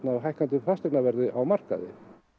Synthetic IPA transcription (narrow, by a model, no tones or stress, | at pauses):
t̪navɦajhkant̪̬ʏfast̪ɪɾnavɛɾðɪʔawmar̥ka̰ðɪ̰